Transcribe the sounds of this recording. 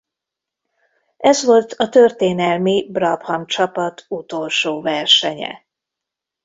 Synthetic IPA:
ʔɛzʋo̞lt̪ʰɒt̪ørt̪eːnɛlmibrɒphɒmt͡ʃɒpɒt̪ʰut̪o̞lʃoːvɛrʃɛɲɛ̰

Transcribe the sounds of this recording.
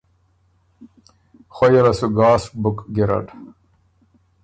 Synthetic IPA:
xɐjɐɾɐsuɡaːsbukɡiɾɐ̰ʈ

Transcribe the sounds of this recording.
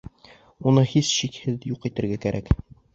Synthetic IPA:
unɤhisɕikhɘðjuqit̪ɘ̆ɾɡækæɾʔæk

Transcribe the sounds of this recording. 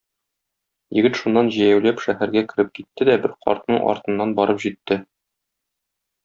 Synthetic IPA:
jɘ̆ɡɘt̪ʃunːɑnʑɘ̆jæwlæpʃæhæɾɡækɘ̆ɾɘp̚kit̪ːɘd̪æbɘɾqʰɒ̰ɾt̪nɤɴʔɒ̰ɾt̪ɤ̆nːɑnbɒɾɤpʑit̪ːɘ

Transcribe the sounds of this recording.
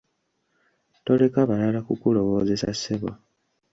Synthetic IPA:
to̞le̞kaβalalakukulo̞βo̞ːze̞sa̰seβwa̰

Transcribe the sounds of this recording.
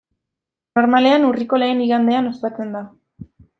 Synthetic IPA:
no̞ɾmale̞anuriko̞le̞ːniɣand̪e̞anost̪at͡se̞nd̪a

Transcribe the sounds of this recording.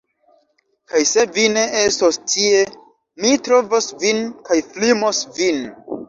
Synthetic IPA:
kajse̞vine̞ʔestostʰie̞ | mitɾovosvinkajflimosvin

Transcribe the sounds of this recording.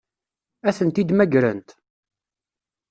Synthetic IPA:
æθənt̪id̪mæɡɾə̰nt̪

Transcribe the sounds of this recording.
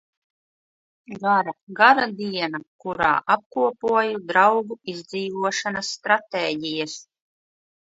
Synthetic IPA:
ɡaɾaɡaɾad̪iɛnakuɾa̰ːʔap̚kuɔpuɔjud̪ɾawɡuizʲd̪ziːvuɔʃanasːt̪ɾat̪eːɟʲijas

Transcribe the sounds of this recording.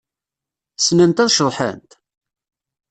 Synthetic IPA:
snənt̪æðʃəðˤħə̰nt̪

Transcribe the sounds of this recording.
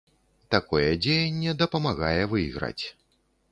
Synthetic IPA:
t̪akɔjɛd͡zʲejɐnʲːɛd̪ɐpɐmaɣajɛvɨjiɣɾa̰t͡sʲ

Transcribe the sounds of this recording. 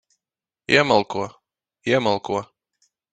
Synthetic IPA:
ḭɛmalˠkuɔ | iɛmalˠkuɔ

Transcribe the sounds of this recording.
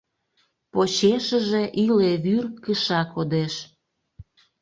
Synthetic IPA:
pot͡ɕeʃəʒe̽ʔileβyrkəʃɑkod̪eʃ

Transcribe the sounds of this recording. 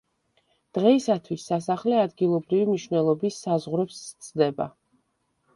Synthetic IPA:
d̪̥ʁɛisat̪ʰwisːasaχlɛad̪ɡilˠɔbɾivimniʃvnɛlˠɔbisːazʁɾɛpst̪sʼd̪ɛba̰

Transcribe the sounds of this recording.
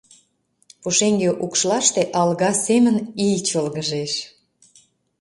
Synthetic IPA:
puʃeŋɡeʔukʃlɑʃt̪eʔɑlɣɑsemə̆nijt͡ɕəlɣəʒeʃ

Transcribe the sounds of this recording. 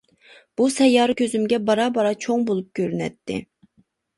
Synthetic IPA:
b̥usɛjːɑːɾɨkʲʰøzymɡʲɛbɑɾɑbɑɾɑt͡ʃʰoŋbolˠup̚kʲøɾynɛ̰t̪ʰːɪ̰

